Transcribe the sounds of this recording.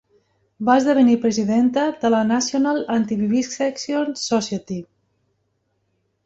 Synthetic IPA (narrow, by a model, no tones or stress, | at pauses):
bazðəβənipɾəziðent̪əðələnasionalant̪iβiβisksɛksionsɔsjət̪i